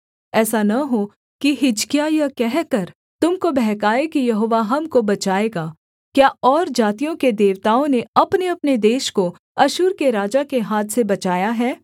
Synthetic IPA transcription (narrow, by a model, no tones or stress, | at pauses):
ɛːsanɐɦo | kiɦɪd͡ʒkijajɐkɛɦkɐɾ | t̪ʊmkobɛɦkaːekijɐɦoːʋaɦɐmkobɐt͡ʃaːeːɡaː | kjaːʔɔːɾd͡ʒaːt̪ijõked̪eːʋt̪aːõneɐpneɐpned̪eːʃko | ɐʃʊːɾkeɾaːd͡ʒakeɦaːt̪ʰsebɐt͡ʃaːjaɦɛː